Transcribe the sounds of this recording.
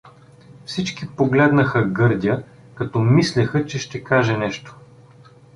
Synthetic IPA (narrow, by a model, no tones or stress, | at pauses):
fsit͡ʃkipoɡlɛd̪nəxəɡɤɾd̪ʲə | kɐt̪ɔmislʲɛxət͡ʃɛʃt̪ɛkaʒɛnɛʃt̪o̥